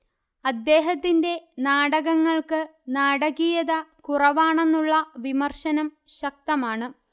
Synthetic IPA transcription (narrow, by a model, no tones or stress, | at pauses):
ɐd̪ːe̞ːɦɐt̪ːinde̞naːɽɐɣɐŋːɐɭkɨnaːɽɐɣijɐðɐkurɐʋaːɳe̞nːuɭːɐʋimɐrɕɐnɐmɕɐk̚t̪ɐmaːɳɨ